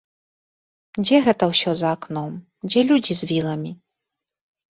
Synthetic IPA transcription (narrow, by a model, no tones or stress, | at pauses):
d͡zʲɛɣɛt̪ɐwsʲɔzɐaknɔm | d͡zʲɛlʲud͡zʲizʲvʲilˠɐmʲi